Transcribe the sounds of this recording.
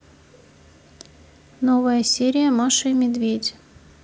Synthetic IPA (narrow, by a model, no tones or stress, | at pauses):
novəjəsʲeɾʲɪjəmaʂɨjmʲɪd̪vʲedʲ